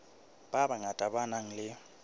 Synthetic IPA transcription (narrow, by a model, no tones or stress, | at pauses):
b̥abaŋatʼabanaŋ̩lɪ